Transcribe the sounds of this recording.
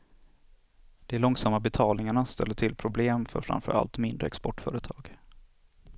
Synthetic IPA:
d̪̥ɛæɭɔŋsamːabɛt̪ʰɑːlnɪŋaɳast̪ɛ̰lːəʈʰɪlpʰɾʊbleːmfœ̰ɾfɾa̰mfœɾa̰lt̪mɪnd̪ɾəɛkspɔʈfœːɾət̪ʰɑːɡ̥

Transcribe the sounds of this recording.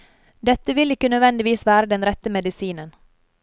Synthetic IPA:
d̪ɛt̪ːəʋɪlɪkːənøːd̪ʋɛnd̪ɪʋiːsʋæːɾəd̪ɛnɾɛt̪ːəmɛd̪ɪsiːnən

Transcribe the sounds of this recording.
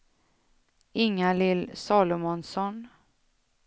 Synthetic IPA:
ɪŋːalɪlːsɑːlʊmɔnsɔn

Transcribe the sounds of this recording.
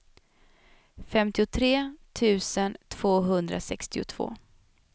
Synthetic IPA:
fɛmt̪ɪʊt̪ʰɾeːt̪ʰʉ̟ːsənt̪ʰv̥oːɦɵnd̪ɾa̰sɛkst̪ɪʊ̰t̪ʰv̥o̰ː

